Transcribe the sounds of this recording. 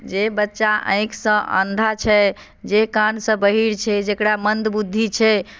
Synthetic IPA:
d͡ʒebətːʃaʔə̰̃j̃ksə̃ʔə̰nd̪ʱat͡ʃʰɛ | d͡ʒekansə̃bəɦiɾt͡ʃʰɛd͡ʒekɾamənd̪bud̪ʱːit͡ʃʰɛ

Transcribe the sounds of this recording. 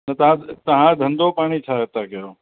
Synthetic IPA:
nɐt̪ɐãt̪ɐɦãd̪ʱɐ̃nd̪opaːɽ̃it͡ʃʰaːɦet̪akɐjoː

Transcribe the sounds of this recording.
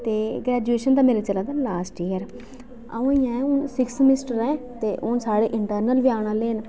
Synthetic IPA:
t̪eːɡɾɛːd͡ʒueːʃənt̪aːmeːɾeːt͡ʃəlaːd̪aːlaːsʈiːəɾ | a̰ũijãːɛ̃ʊnsɪksmɪsʈəɾɛ̃ːt̪eːʔʊnsaːɽeːʔɪɳʈəɾnəlʋɪjaːɽãːleːn

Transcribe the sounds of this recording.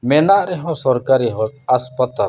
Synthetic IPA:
mɛnaʔɾɛɦɔ̃sɔɾkaɾiɦɔ̃t̪aspat̪a

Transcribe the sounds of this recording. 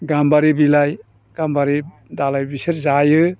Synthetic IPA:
ɡambaɾibilaj | ɡ̥ambaɾi | dalajbisɯɾzajɯ

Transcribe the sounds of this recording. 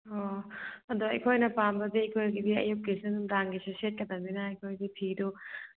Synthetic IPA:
oɐduɐ̰jkʰojnɐpambɐdiɐjkʰojɡidiɐ̰jup̚kisɯnumɾaŋɡiseset̚kɐdɐmbinɐɐjkʰojdipʰidu

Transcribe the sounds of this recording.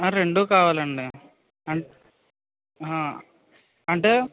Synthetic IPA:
ãɾɛɳɖukaːʋɐlɐɳɖɯ | ɐɳ | ã | ɐɳɖɯ

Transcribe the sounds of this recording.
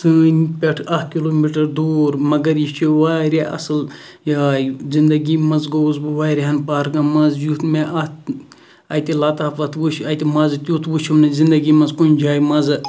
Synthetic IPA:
sɨnpʲeʈʰɐhkiloːmiʈɐɾd̪oːɾmɐɡɐɾjit͡ʃʰiʋaːɾʲaʔɐ̰sɨl | jaːjzind̪ɐɡimɐzɡowzbɨʋaːɾʲɦɐnpaːɾɡɐmɐzjut̪meʔɐt̪ | ɐjt̪ʲilɐt̪aːfɐt̪ʋuʃɐjt̪imɐzɨt̪ʲjut̪ʋuʃʰumnɐzind̪ɐɡimɐzkunʲd͡ʒaːjmɐzɨ

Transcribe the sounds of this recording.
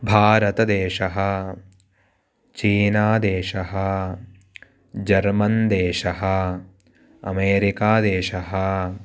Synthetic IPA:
bʱaːɾɐt̪ɐd̪eːʃɐɦɐ̆ | t͡ʃiːnaːd̪eːʃɐɦɐ | d͡ʒɐɾmɐnd̪eːʃɐɦɐ | ɐmeːɾikaːd̪eːʃɐɦɐ

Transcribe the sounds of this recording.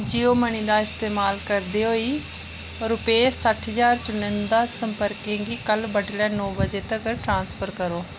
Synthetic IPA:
d͡ʒioːməɽ̃iːd̪aːɪst̪eːmaːlkəɾd̪iːɦoːiː | ɾʊpeːsəʈʰɦəzaːɾt͡ʃʊnə̃nd̪aːsəmpəɾkẽɡiːkəlbəʈlɛːnɔːbəd͡ʒeːt̪əkʈɾãːnspʰəɾkəɾoː

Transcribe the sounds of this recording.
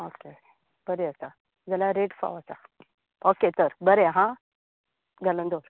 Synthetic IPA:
oke | b̥əɾeəsa | d͡zəlaɾeʈfa̰ʋəsa̰ | oket̪əɾbəɾeɦã | ɡələ̃nd̪oɾ

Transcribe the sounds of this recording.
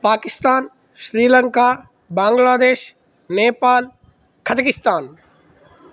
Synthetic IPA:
paːkɪst̪aːn | ʃɾiːləŋka | bãːŋɡlaːd̪eːʃ | neːpaːl | kʰɐd͡ʑkɪst̪aːn

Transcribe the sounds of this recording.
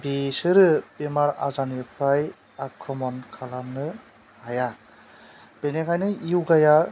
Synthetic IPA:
bisɯɾɯbemaɾa̰zanipʰaj | akʰːɔmɔnkʰalanɯ | haja | b̥enekʰajnɯiwɡaja

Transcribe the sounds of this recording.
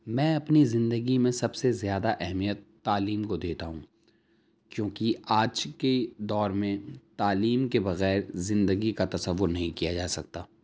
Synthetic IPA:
mɛ̃ːɐpnizɪ̃nd̪əɡimẽsɐbsezjaːd̪aʔɛɦmijət̪ːaːliːmkod̪eːt̪aɦũ | kjõːkiaːd͡ʒked̪ɔːɾmẽt̪aːliːmkebɐɣɛːɾzɪ̃nd̪əɡikat̪ɐsəʋːʊɾnɐɦĩkijad͡ʒaːsɐk̚t̪aː

